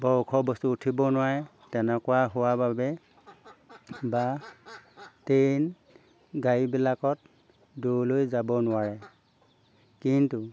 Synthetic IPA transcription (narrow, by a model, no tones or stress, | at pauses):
bɔɹkʰɔbɔstuːtʰibɔnʊwaɹɛ | tɛnɛkʊwaɦʊwababɛ | ba | tejn | ɡajibilakɔt̚ | dolojzabɔnʊwaɹɛ | kintu